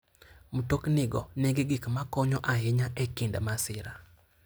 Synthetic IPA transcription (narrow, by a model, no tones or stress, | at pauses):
mutoknɪɡɔneɡeɡɪkmakɔɲɔʔaɦɪɲaʔɛkɪndamasɪɾa